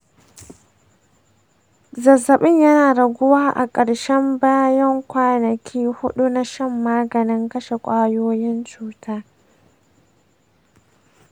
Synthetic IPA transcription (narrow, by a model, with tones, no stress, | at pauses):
zɐ˨zːɐ˨ɓɪ˦ɲjɐ˦naː˨ɽɐ˨ɡʷʊ˦waː˦ʔa̰˨kʼɐ˨ɽʃɛ˦mbaː˦jɐ˦ŋkʷaː˦nɐ˨kʲʰiː˦hʊ˦ɗu˦na˦ʃɐ˦mːaː˦ɡɐ˨nɪ˦ŋkɐ˦ʃe˨kʷʼaː˦joː˦jɪ˦nt͡ʃuː˦tʰaː˦